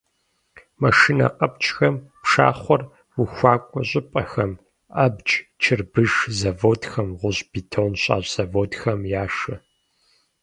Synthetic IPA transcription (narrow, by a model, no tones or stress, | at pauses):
mɐʂinɐ̰qʼɐp̚t͡ʃʼxɐmpʂa̰ːχʷɔr | wuxʷaːkʷʼɔɕʼɪpʼɐxɐm | ɐbt͡ʃʼt͡ʃʰɨrbɨʒzɐvoːtxɐmʁʷʊʑb̥itʰownɕʼa̰ːʑsɐvoːtxɐmjaːʂɨ